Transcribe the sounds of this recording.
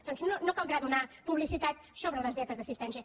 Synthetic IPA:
d̪̥ɔnznonokalˠd̪ɾaðunapuβlisit̪at̪ | soβɾələzðɛt̪əzðəsist̪ɛnsjə

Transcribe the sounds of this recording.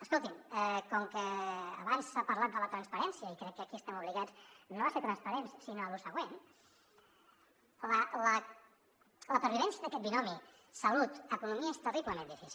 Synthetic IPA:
əskolˠt̪imɛkɔŋkəːβansapəɾlat̪̚d̪ələt̪ɾənspəɾɛnsiəikɾɛkːəkiəst̪ɛmuβliɣat͡snoβaseɾt̪ɾənspəɾenssinoəlusəɣwen | lələ | ləpəɾβ̞iβɛnsjəðəkɛt̪̚binɔmi | səlut̪əkunumiəest̪əriβləmẽnd̪ifisil

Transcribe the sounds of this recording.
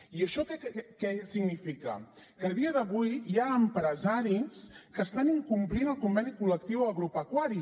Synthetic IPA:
iəʃɔkɛkɛsiɡnifikə̰kəðiəðəβujjaəmpɾəzaɾiskəst̪aniŋkumplinəlˠkumbɛnikuləkt̪iwəɣɾupəkwaɾi

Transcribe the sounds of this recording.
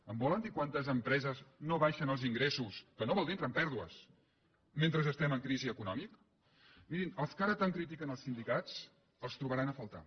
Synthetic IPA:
əmbɔlənd̪ikwant̪əzəmpɾɛzəznoβaʃənəlˠziŋɡɾesuskənoβɔlˠint̪ɾəmpɛɾðuə̰s | ment̪ɾəzəst̪ɛməŋkɾiziəkunɔmik | miɾinəlˠskaɾət̪aŋkɾit̪ikənəlˠsind̪ikat͡s | əlˠst̪ɾuβəɾanəfəlˠt̪a̰

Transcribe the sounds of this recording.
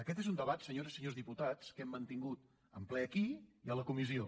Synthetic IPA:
əkɛt̪ezund̪əβat̪səɲoɾzisəɲozðiput̪at͡skɛmːənt̪iŋɡut̪̚ | əmplɛəkiiələkumizio

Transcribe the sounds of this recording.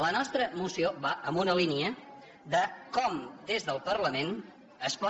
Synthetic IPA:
lənɔst̪ɾəmusioβaʔəmbunəliniə | ðəkɔmd̪ezðəlˠpərləmen | əspɔ

